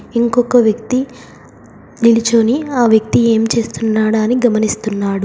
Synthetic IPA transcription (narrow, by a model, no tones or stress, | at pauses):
iŋkɔkɐʋjɐkt̪i | nilit͡ʃoːniaːʋjɐk̚t̪ie̞ːmt͡ʃe̞ːst̪unːaːɽaːniɡɐmɐnist̪unːaːɽu